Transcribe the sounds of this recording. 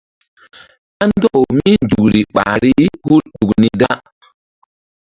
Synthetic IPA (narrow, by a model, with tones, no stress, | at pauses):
a˦ndɔ˦˨wmi˦ndu˨kɾi˨ɓa̰˨ɾi˦hu˦ɾɗu˨kni˦da˦